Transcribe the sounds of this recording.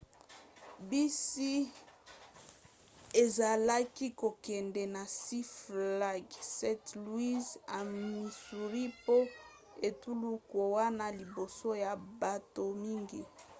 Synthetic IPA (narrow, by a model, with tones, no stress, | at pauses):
bi˦si˦ | e˨za˨la˦ki˦ko˨kɛ˨ndɛ˨na˨si˦fla˦ɡsɛ˦tlwi˦za˨mi˨su˨ʁi˦po˦ | e˨tu˦lu˦ko˨wa˦na˦li˨bo˨so˦ja˨ba˨to˨mi˦ŋɡi˨